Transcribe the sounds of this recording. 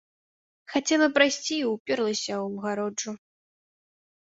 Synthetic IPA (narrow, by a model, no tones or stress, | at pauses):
xat͡sʲɛlˠɐpɾajsʲt͡sʲiːwpʲɛrlˠɐsʲɐwɣaɾɔʐu